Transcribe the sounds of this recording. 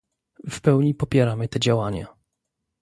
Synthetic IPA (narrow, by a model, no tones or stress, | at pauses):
fpɛwɲipɔpʲjɛɾamɘt̪ɛd͡ʑawaɲa̰